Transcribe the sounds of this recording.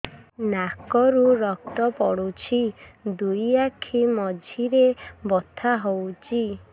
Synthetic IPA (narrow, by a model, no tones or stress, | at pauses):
nakɔɾuɾɔk̚t̪ɔpɔɽut͡ʃʰid̪ujakʰimɔd͡ʒʱiɾebɔt̪ʰaɦowt͡ʃʰi